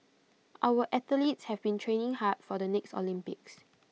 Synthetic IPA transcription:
ʔaʊwəʔɛt̪əlitshɛvbĩntʰɹẽnɪ̃ŋhat̚fɔdənɛkstɔ̰lĩmpɪ̰k̚s

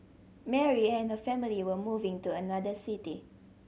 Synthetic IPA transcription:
mɛɹiɛ̃nhəfɛmiliwəmuvɪ̃ŋtuənadəsiti

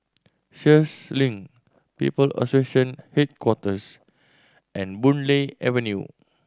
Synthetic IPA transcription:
ʃəslĩŋ | pḭpələ̰seʃə̃nhet̚kwɔtəs | ʔɛ̃nbũnleɛvə̃njṵ

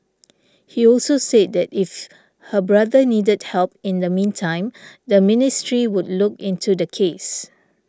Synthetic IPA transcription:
hiɔlsosed̚dɛtif | həbɹadənidəd̚hɛlpɪ̃ndəmĩntʰãɪ̃mdəmɪnɪstɹiwʊdlʊkɪ̃ntʰudəkʰes

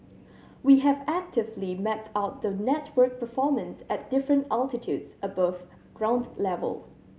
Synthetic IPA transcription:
wiɦɛvæk̚tɪvlimɛt̚tʰaʊt̚ðənɛtʰwɜ˞k̚pʰəfɔmə̃nsɛt̚d̥ɪfɹə̃ntalˠtɪtʰjudsəbʌv̥ | ɡ̥ɹãʊ̃ndlɛvə̰lˠ

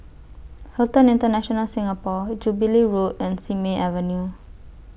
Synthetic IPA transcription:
hɛltə̃nĩntənaʃɔnalsĩŋapɔd͡ʒubiliɹotɛ̃nsimeʔavənju

